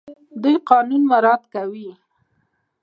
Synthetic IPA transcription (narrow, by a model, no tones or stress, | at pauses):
d̪ujqɑnunmaɾɑt̪kawi